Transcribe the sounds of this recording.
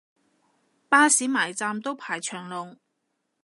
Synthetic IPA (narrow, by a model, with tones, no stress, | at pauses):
paː˥siː˨˥maː˨˩jt͡saː˧mt̪o˥wpʰaː˨˩jt͡ʃʰœː˨˩ŋlʊ˨˩ŋ